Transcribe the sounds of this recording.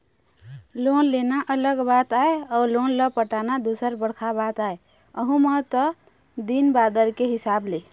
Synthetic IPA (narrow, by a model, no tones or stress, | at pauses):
lonlenaʔələɡbat̪aeɔlonləpəʈanad̪usəɾbəɽkʰabat̪ae | əɦũmət̪ə | d̪inbad̪əɾkeɦisable